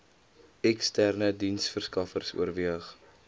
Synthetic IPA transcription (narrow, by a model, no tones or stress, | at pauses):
ɛkstærnədinsfərskɐfərsṵərviəχ